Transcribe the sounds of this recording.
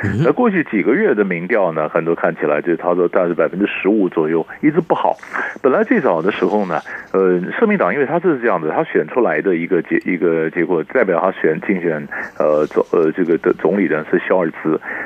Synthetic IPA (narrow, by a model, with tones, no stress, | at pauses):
na˥˧kwɔ˥˧t͡ɕʰy˥˩t͡ɕi˨˩ɡə˦ɥɛ˥˩d̪ə˩mi˧˥ŋt̪jɑ˥˩ʊnə˩xə˨˩nt̪wɔ˥kʰa˥˩nt͡ɕʰi˨˩la̰˧˥ɪt͡ɕjo˥˧ʊʂɻ̩˥˩t̪ʰa˥t͡sɔ˥˧t̪a˥˧ʂ̩˥˩pa˨˩ɪfə˥nʈ͡ʂɻ̩˥ʂɻ̩˧˥u˧˥t͡swɔ˨˩jo˥˩ʊi˥t͡sɹ̩˥pu˥˩xɑ̰˨˩˦ʊpə˨˩nla˧˥ɪʈ͡ʂe˥˩ɪt͡sɑ˨˩ʊd̪ə˦ʂɻ̩˧˥xo˥˧ʊnə˩ə˧ʂɤ˥˧mi˥˩ŋt̪ɑ˨˩ŋi˥nwe˥˧ɪt̪ʰa˥ʈ͡ʂɤ˥˧ʂɻ̩˥˧ʈ͡ʂɤ˥˧jɑ˥˩d͡zə˩a˥ɕɥɛ˨˩nʈ͡ʂʰu˥la˧˥ɪd̪ə˧i˧˥ɡə˧t͡ɕɛ˧˥ʔi˧˥ɡə˧t͡ɕjɛ˧˥kwɔ˨˩t̪a˥˩pjɑ˨˩ʊt̪ʰa˥ɕɥɛ˨˩nt͡ɕi˥˩ŋɕɥɛ˨˩nə˧t͡sə˧ʈ͡ʂɤ˥˩ɡə˩ə˧t͡sʊ˧˥ŋli˨˩d̪ə˦ʂɻ̩˥˩ɕjɑ˥ʊə˞˨˩t͡sɹ̩˧˥